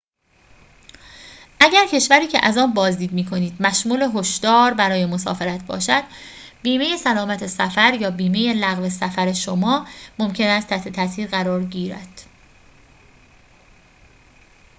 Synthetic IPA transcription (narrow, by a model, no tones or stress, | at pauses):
ʔæɟæɾcʰe̞ʃvæɾiːcʰe̞̰ʔæzɒːnbɒːzd̪iːd̪miːkʰo̞niːd̪mæʃmuːle̞ɦo̞ʃd̪̥ɒːɾbæɾɒːjemo̞sɒ̰ːfe̞ɾæt̪̚ʰbɒ̰ːʃæd̪̥ | biːme̞je̞sælɒːmæt̪ʰe̞sæfæɾjɒːbiːme̞je̞læɣve̞sæfæɾe̞ʃomɒːmo̞mcʰe̞næst̪ʰːæt̪ʰe̞t̪ʰæsiːɾɣæɾɒːɾɟiːɾæ̰d̪̥